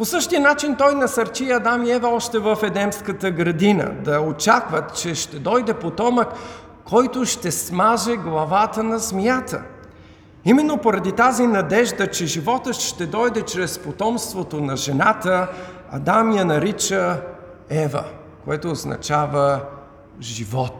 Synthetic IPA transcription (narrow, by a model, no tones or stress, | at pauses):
posɤʃt̪iənat͡ʃint̪ɔjnɐsɐɾt͡ʃiɐd̪amiɛvəɔʃt̪ɛvəfɛd̪ɛmskət̪əɡɾɐd̪inə̰d̪ɐot͡ʃakvət̪t͡ʃɛʃt̪ɛd̪ɔjd̪ɛpot̪ɔməkʰː | ɔjt̪oʃt̪ɛsmaʒɛɡlˠɐvat̪ənɐzmjat̪ə̰ | imɛnːopoɾɐd̪it̪azinɐd̪ɛʒd̪ət͡ʃɛʒivɔt̪əʃt̪ɛd̪ɔjd̪ɛt͡ʃɾɛspot̪ɔmst̪vot̪onɐʒɛnat̪ə | ɐ̰d̪amijɐnɐɾit͡ʃə | ɛvə̰ | koɛt̪oːznɐ̰t͡ʃavə | ʒivɔt̪